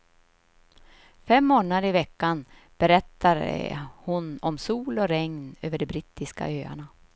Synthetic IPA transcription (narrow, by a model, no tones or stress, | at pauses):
fɛmːoːnad̪əɾɪvɛkːan | b̥ɛɾɛt̪ːaɾhʊnɔmsuːlɔɾɛŋnø̰ːvəɖɛbɾiːt̪ːɪska̰øːa̰ɳa